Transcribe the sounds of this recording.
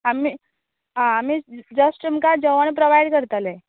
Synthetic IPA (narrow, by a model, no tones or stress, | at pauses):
ami | ɦãːmiːd͡zəsʈəmkad͡zəʋəɳpɾoʋajɖkəɾt̪ale